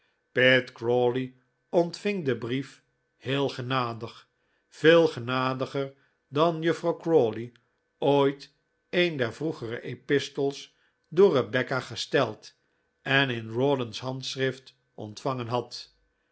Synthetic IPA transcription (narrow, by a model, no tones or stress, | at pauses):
petkroːli | ɔntfɪŋdəbrif | hɪːlˠχənaːdəχ | v̥ɪːlˠχənaːdəχəɹ | dɑnjəfrɑwkroːli | ojt | ejndɛɹvruχərə̰ʔepɪstəlˠs | dʊːrəbɛkaχəstɛlˠt | ɛnɪnrɔdənsɦɑntsrɪft | ɔ̰ntfɑŋənɦɑt